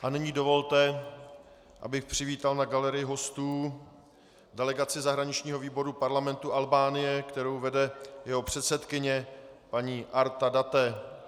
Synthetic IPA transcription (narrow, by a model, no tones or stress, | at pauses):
ʔanɪɲiːdo̞vo̞lt̪ɛ | ʔa̰bɪxpr̝̥ɪviːt̪alnaɡalɛɾɪjɪɦo̞st̪uː | dɛlɛɡat͡sɪzaɦɾaɲɪt͡ʃɲiːɦo̞viːbo̞ɾupaɾlamɛnt̪uʔalbaːnɪjɛkt̪ɛɾo̞wvɛdɛjɛɦo̞pr̝̥ɛt̪sɛt̪kɪɲɛpaɲiːʔaɾt̪adat̪ɛ